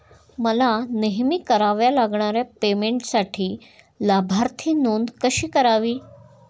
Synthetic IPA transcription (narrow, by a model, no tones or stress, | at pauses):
məlaneɦmikəɾaʋjalaɡɳaɾjapemeɳʈsaʈʰiː | labʱaɾt̪ʰiːnuːnd̪kəɕiːkəɾaʋiː